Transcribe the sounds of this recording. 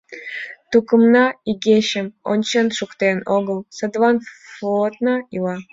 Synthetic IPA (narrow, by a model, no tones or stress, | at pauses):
t̪ukəmnɑiɡʲeɕəmonʲt͡ɕenʃukt̪enoɡəlˠsəd̪vɑnflot̪nɑilɑ